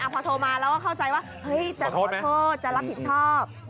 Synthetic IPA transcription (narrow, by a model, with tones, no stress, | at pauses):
ʔaː˧˩pʰɔː˧t̪ʰoː˧maː˧lɛ˦˥wkɔː˥˩kʰa˥˩wt͡ɕa˧jwaː˥˩hɤ˦˥˩jt͡ɕa˨˧t̪ʰoː˦˥˩t̪ʰoː˥˩t̪̚t͡ɕa˨ʔɾa˦˥p̚pʰːi˨˩n̚t͡ɕʰɔː˥˩p̚